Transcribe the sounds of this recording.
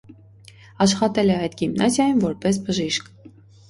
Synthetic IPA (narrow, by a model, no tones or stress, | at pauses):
ɑʃχɑt̪ɛlɛɑjd̪ɡimnɑzjɑjunvɔɾpɛs̬bəʒiʃk